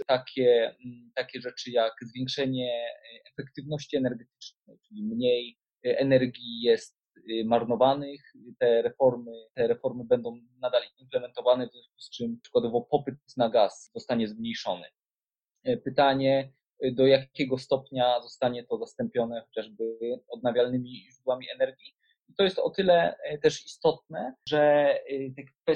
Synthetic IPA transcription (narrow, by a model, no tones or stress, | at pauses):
t̪akʲʰɛt̪akʲɛʐɛt͡ʂɘjakzvʲjeŋkʂɛɲɛɛfɛkt̪ɘvnɔɕt͡ɕiɛnɛɾɡɛt̪ɘ̥t͡ʂnɛjt͡ʂɘlʲimɲej | ɛnɛɾɡʲijɛst̪ | maɾnɔvanɘx | t̪ɛɾɛfɔɾmɘt̪ɛɾɛfɔɾmɘbɛnd̪ɔ̃w̃ | nad̪alimplɛmɛnt̪ɔvanɛvzʲjɔ̃w̃sku̥st͡ʂɘmʂɨkwad̪ɔvɔpɔpɘt̪̚naɡaszɔst̪aɲɛzmɲejʂɔnɘ̰ | pɘt̪aɲɛ | d̪ɔjakʲɛɡɔst̪ɔpɲazɔst̪aɲɛt̪ɔzast̪ɛmpʲjɔnɛxɔt͡ɕaʐbɘɘɔd̪̚navʲjalnɘmʲiʐud̪wamʲiɛnɛɾɡʲi | it̪ɔjɛst̪ɔ̰t̪ɘlɛt̪ɛʂist̪ɔt̪̚nɛʐɛt̪ɛkfɛ